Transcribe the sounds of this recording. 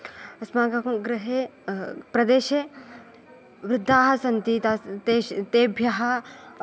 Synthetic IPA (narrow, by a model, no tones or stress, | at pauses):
ɐsmaːɡɐkɡɾɪɦe | pɾɐd̪eːʃe | ʋɾɪd̪ʱːaːɦɐsɐnt̪it̪ɐt̪eːt̪eːbʱjɐɦɐ